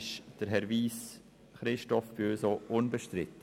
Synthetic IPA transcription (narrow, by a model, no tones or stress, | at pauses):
ʃd̥əɾɦɛɾʋiːs | χɾɪʃtɔfbøːsoʔʊnbəʃtɾɪt̪